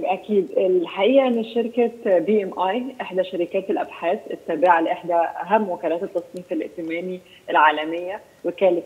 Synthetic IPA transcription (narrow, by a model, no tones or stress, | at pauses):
ʔækiːd̪elħaʔiːʔæʔenːiʃeɾkæbiːʔemʔɑjʔeħd̪æʃæɾɪkæːt̪elʔæbħaːsʔet̪ːæːbaʕaleʔeħd̪æʔæɦæmːwækæːlæːt̪et̪ːɑsˤniːfelʔḛʔt̪ɪmæːni | ʔelʕaːlæmejːæ | wekæːlet